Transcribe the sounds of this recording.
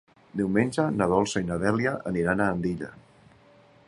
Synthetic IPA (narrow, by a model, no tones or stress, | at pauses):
d̪iwmenʲd͡ʒənaðɔlˠsəinəðɛljaʔəniɾanaːnd̪iʎa̰